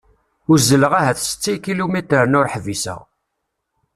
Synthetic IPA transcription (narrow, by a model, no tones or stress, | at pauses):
ʊɾzːələʁæɦæθsə̥t͡sːikilumit̪ɾəɾənʊɾħvisə̰